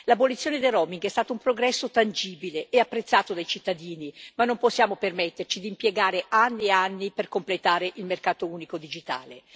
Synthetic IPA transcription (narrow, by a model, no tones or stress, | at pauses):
labolit̪sːjoːned̪ejrɔmiŋɡɛst̪aːt̪aumpɾoɡɾɛsːot̪and͡ʒiːbileɛapːɾet̪sːaːt̪od̪ajt͡ʃit̪ːad̪iːnimanːomposːjaːmopermet̪ːert͡ʃid̪iːmpjeɡaːɾeanːieanːiperkomplet̪aːɾeʔilmerkaːt̪ouːnikod̪id͡ʒit̪a̰ːle